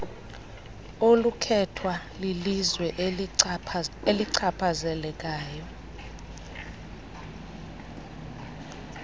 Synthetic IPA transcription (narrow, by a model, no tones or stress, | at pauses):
olukʰɛtʰwa | lilizwɛʔ | eliǀʰapʰazɛlɛk̬ʼaːjɔ